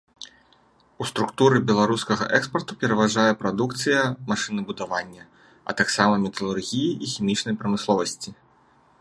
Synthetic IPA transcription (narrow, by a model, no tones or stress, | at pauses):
ust̪ɾukt̪uɾɨbʲɛlˠaɾuskɐɣɐ̰ʔɛkspɐrt̪u̥pʲɛɾɐvaʐajɛpɾad̪ukt̪sɨjɐmaʂɨnɨbud̪avanʲːɐ | ɐ̰t̪aksamɐmʲɛt̪ɐlˠurɣʲijiʔːxʲimʲit͡ʂn̪ɐjpɾɐmɨslˠɔvɐsʲt͡sʲi